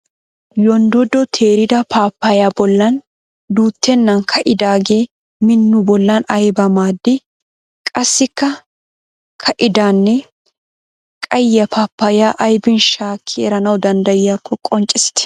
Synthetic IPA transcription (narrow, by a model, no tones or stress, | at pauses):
jɔnd̪ɔd̪ɔt̪ʰeːɾɪd̪ɐpʰaːpːɐjaːbɔlːɐn | d̪uːt̪ːɛnːɐnkʰɐʔɪd̪aːɡe̞ː | mɪnːʊbɔlːɐnɐjbɐmaːd̪ːɪ | kʼɐsːɪkːɐ | kʰɐʔɪd̪aːnːɛ | kʼɐjːɐpaːpːɐjaːʔɐjbɪnʃaːkʰːɪɛɾɐnɐwd̪ɐnd̪ɐjːakːɔkʼɔnt͡ʃʼːɪsɪ̥t̪ɛ̥